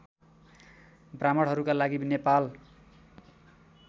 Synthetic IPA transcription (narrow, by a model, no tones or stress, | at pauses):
bramʌɽɦʌɾukalaɡibnepal